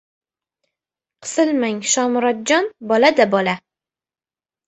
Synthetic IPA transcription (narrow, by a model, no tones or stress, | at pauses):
qʰɨ̥sɨlmaŋʃɒmɾɒt̪̚d͡ʒɒnbɒlad̪abɒla